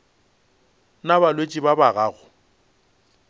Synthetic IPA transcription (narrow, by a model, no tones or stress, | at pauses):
nabalwet͡ʃʼibabaɣaːɣʊ